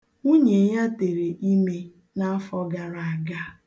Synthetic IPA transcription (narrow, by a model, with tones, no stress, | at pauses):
u˦ɲe˨ja˦te˨ɾe˨ʔi˦me˦ | na˦a˦fɔ˦ɡa˨ɾa˨a˨ɡa˦